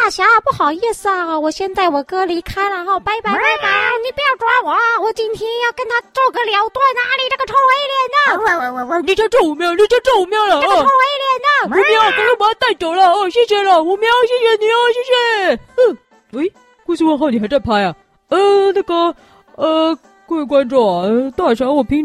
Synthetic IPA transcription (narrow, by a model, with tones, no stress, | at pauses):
t̪a˥˩ɕja˧˥˧pu˥˩xɑ˨˩ʊɛ˥˧s̩˧a˧˩˥wɔ˨˩ɕjɛ˥˧nt͡sa˥˩ɪwɔ˨˩kɤ˥li˧˥kʰa˥ɪlə˨xɔ˥˩pa˧˥ɪpa˧˥ɪpa˧˥ɪpa˧˥ɪ˥˧˩ni˨˩pu˧˩jɑ˥˩ʊʈ͡ʂwa˥wɔ˨˧˥wɔ˨˩t͡ɕi˥nt̪ʰjɛ˥njɑ˥˩ʊkə˥nt̪ʰa˥t͡so˥˩kɤ˧˥ljɑ˧˥ʊt̪wa˥˧˩nna˧˥li˨˩ʈ͡ʂɡə˧ʈ͡ʂʰo˧˥ŋwe˧˥i˥˩ljɛ˨˧˩nd̪ə˧ni˨˩t͡ɕjʊʈ͡ʂɤ˥˩u˨˧˩mjɑ˥˩ʊni˨˩˥t͡ɕɑ˥˧ʊʈ͡ʂɤ˥˩u˧˥mjɑ˥˧ʊlə˨˥ə˥˧ʈ͡ʂʰo˥we˧˥i˥˩ljɛ˨˩˦nd̪ə˧u˧˥mjɑ˥˨˩kə˥˩pjt̪a˥˩ɪt͡ɕo˨˩ʊlə˧o˥˧˩ɕjɛ˥˧ɕɥɛ˧˩lə˧˩u˧˥mjɑ˥ʊɕjɛ˥˩ɕɥɛ˧ni˨˩o˥˧ɕ̬jɛ˥˧ɕɥɛ˧˩ə˥˩ | e˧˥ɪ | ku˥˧ɕʰwə˥˧nxo˥˩ni˨˩xa˧˥˦ʈ͡ʂa˥˩pʰa˥jɐ˨˩ | ə˥˧na˥˩ɡə˩ | ə˧ | kwe˥˩kwa˥nʈ͡ʂɔ˥˩ɐ˨˩ə˥˧˩t̪ʂɑ˧˥˧wɔ˨˩pʰi˧˥ŋ